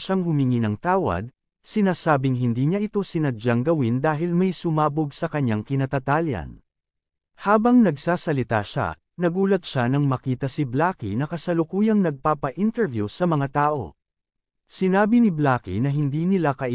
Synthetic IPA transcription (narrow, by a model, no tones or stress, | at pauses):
ʃaŋhʊmɪŋinɐŋt̪aːwɐ̰d̪̚ | sɪnaːsaːbɪŋɦɪnd̪iːɲaʔɪt̪o̞sɪnɐd͡ʒaŋɡɐwind̪aːɦɪlmɐjsʊmaːboɡsɐkɐɲaŋkɪnɐt̪ɐt̪aːljɐ̰n | haːbɐŋnɐɡsaːsɐlɪt̪a̰ʃa̰ | nɐɡuːlɐt̪̚ʃanɐŋmɐkiːt̪ɐsɪblaːkḭnɐkɐsɐlʊkuːjɐŋnɐɡ̚paːpɐʔint̪ɛɹvjusɐmɐŋat̪aːʔo̞̰ | sɪnaːbinɪblaːkḭnɐɦɪnd̪iːnɪlakɐʔ